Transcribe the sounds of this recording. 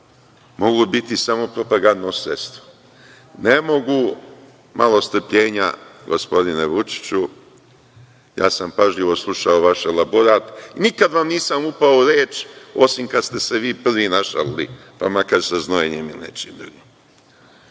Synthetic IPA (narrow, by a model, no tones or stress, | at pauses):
mo̞ɡubit̪isamo̞pɾo̞paɡand̪nosɾest̪o | nemo̞ɡu | malo̞st̪r̩pʎe̞ːɲaɡo̞spo̞d̪ineʋut͡ʃi̥t͡ɕu | ja̰ːsampaʒʎiʋo̞slˠuʃaoʋaʃelaboɾaːt̪inikad̪ʋamniːsamupaouɾeːt͡ʃo̞simkad̪st̪e̞seʋiːpr̩ʋinaʃa̰llḭ | pamakaɾsaznoeɲemilnḛt͡ʃin̰ɾi